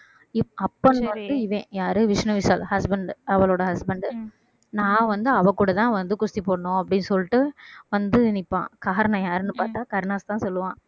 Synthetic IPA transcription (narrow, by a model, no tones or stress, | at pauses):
ɪɐpːɐnʋɐnd̪ɯɪʋẽːjaːɾɯʋɪʂnɐʋɪsaːlhɐsbɐɳɖɐʋɐɭoːɽɐɦɐsbɐɳɖ | nãːʋɐnd̪ɯɐʋɐ̃kuːɽɐt̪ãːʋɐnd̪ɯkʊst̪ipoːɽɐɳõːɐpːɐɽɪnːɯsɔlːɪʈːɯʋɐnd̪ɯɪnɪpːã̰ːkaːɾɐɳɐ̃jaːɾɯnːɯpaːɾʈ̪ːaːkɐɾnaːst̪ãːsɔlːɯʋãː